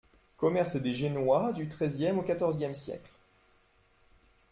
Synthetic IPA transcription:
kɔmɛʁsd̪eʒenwad̪yt̪χɛzjɛmokat̪ɔʁzjɛmsjɛ̰kl

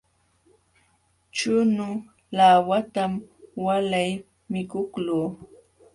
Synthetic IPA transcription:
t͡ʃʊnʊ | lawat̪amwalaj | mɪkʊkluː

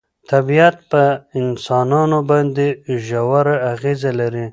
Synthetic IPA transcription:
t̪ʰabiat̪̚pəɪnsɑnɑnobɑnd̪eʒawaɾaaɣezalaɾi

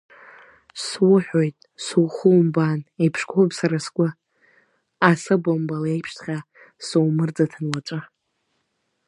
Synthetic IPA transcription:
swʊħᶣojtʼsuwχuwmbanejpʰʂkʰʷʼopsaɾasɡʷʼʊ | asɨbombalaejpʰʂtʰχʲa | sowmɨrd͡zatʰanwat͡ʃʷʼɨ

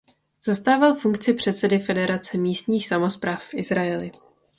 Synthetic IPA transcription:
z̥ast̪aːvalfuŋkt͡sɪpr̥ɛt̪sɛdɪfɛdɛɾat͡sɛmiːst̪ɲiːxsamo̞spɾaːfːʔɪzɾaɛlɪ

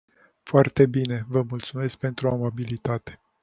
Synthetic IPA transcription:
foart̪e̞bine̞vəmult̪sume̞sk̚pe̞nt̪ɾuamabilit̪at̪e̥

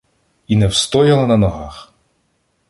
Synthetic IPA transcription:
inɛwst̪ɔjɐlˠɐnɐnɔɦɑx

